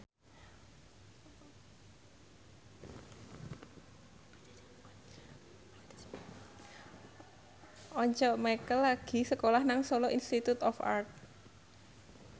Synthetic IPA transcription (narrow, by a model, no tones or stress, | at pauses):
ʔɔɲt͡ʃɔʔmajkəlːaɡ̥i̤səkolahnaŋsɔlɔʔinst̪it̪ut̪ɔfa̰rt̪̚